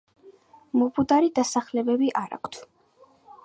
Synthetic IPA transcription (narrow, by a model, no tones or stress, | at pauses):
mɔpʰud̪aɾid̪asaχlɛbɛbiʔaɾa̰kʷʰt̪ʰ